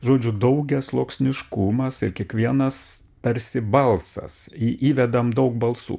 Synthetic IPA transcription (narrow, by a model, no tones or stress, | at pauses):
ʒoːd͡ʒʲʊd̪ɐʊɡʲɛslˠoːksʲnʲɪʃkʊmɐsɪɾkʲiɛkʋʲiɛnɐs | pʲɛɾʲsʲɪbɐlˠsɐ̰siːʔiːʋʲɛd̪ɐmd̪ɐʊk̚bɐlˠsṵː